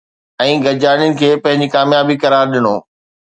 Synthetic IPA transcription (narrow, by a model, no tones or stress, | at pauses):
ɛ̃ːɡɐd͡ʑaːnjʊnɪ̆kʰeːpɐ̃ɦɪ̃ɲd͡ʑikaːmjaːbikɐɾaːɾɗɪnoː